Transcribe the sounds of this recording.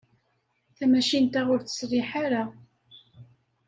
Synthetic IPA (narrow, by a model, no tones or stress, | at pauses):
θæmæʃint̪æʁʊɾθə̥srɪħaɾa